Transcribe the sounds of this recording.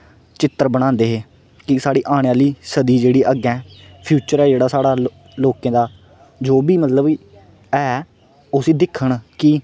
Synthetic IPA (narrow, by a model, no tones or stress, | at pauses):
t͡ʃɪt̪ːəɾbəɽ̃ãːnd̪eːɦeː | kɪsaːɽiːʔaːɽ̃eaːliːsəd̪iːd͡ʒeːɽiːʔəɡɛ̃ː | pʰjuːt͡ʃəɾɛːd͡ʒeːɽaːsaːɽaː | loːkẽːd̪aː | d͡ʒoːbiːmət̪ləb | ɛː | ʊsiːd̪ɪkʰːəɳkɪ